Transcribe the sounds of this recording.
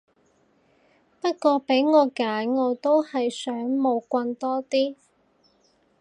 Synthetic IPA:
pɐ˥t̚kʷɔː˧pe˨˥jŋɔː˨˧kaː˨˥nŋɔː˨˧t̪o˥whɐ˨jsœː˨˥ŋmo˨˧wkʷɐ˧nt̪ɔː˥t̪iː˥

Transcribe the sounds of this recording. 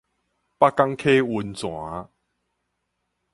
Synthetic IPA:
pa˦˥ka˥ŋkʰe˦˥wu˧nt͡swaː˨˦

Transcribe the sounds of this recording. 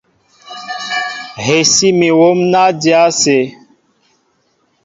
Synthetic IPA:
ɦe˨si˦mi˨wo˦mna˦di˦a˦se˨

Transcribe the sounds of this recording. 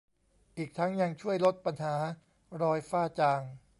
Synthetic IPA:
ʔiː˨˩k̚t̪ʰa˦˥ŋja˧ŋt͡ɕʰu˥˩əjlo˦˥t̪̚pa˧nɦaː˩˦ | ɾɔː˧jfaː˥˩t͡ɕaː˧ŋ

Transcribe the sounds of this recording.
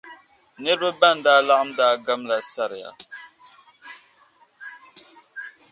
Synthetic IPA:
nɛ˦ɾbə˦ba˦˨n˦daː˦la˦ʔa˦mdaː˦˨ɡa˦mla˨sa˦˨ɾja̰˨

